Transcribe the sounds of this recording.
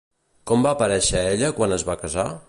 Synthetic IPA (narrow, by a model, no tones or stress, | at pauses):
kɔmbaːpəɾɛʃəeʎəkwanəzβakəza